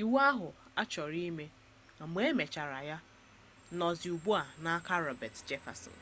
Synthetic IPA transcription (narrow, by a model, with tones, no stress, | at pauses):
i˨wa˦ɦʊ˨ | a˦t͡ʃɔ˨ɾi˦me˦ | a˨ɡ͡be˦me˨t͡ʃa˨ɾa˨ja˦ | nɔ˨zɪ˨u˨bu˦a˨na˦ka˦ɾɔ˨bɛ˨td͡ʒe˦fa̰˨sɔ̰˨n˨